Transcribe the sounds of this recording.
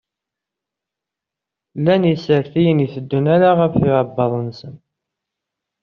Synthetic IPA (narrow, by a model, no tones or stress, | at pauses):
lːænjisəɾθijənjiθəd̪ːunæɾaʁəfɪʕəbːɑðˤnsən